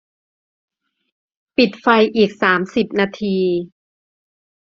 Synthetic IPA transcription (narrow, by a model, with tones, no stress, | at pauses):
pi˨˩t̪̚fa˧jʔiː˨˩k̚saː˩˦msi˨˩p̚naː˧t̪ʰiː˧